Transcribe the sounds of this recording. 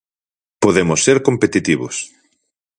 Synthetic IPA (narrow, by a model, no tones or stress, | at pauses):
poðemosːeɾkompet̪it̪iβʊs